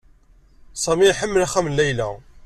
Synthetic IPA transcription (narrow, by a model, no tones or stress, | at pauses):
sˤɑmiħəmːəlæχæmənlːæjlæ